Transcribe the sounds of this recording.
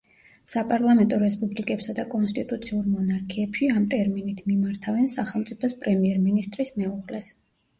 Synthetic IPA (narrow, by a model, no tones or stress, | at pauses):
sapʼaɾlˠamɛnt̪ʼɔɾɛspʼublikʼɛpsad̪akʼɔnst̪ʼit̪ʼut̪sʰiuɾmɔnaɾkʰiɛpʃiamt̪ʼɛɾminit̪ʰmimaɾt̪ʰavɛnsaχɛlˠmt̪sʼipʰɔspʼɾɛmiɛɾminist̪ʼɾismɛuʁlɛs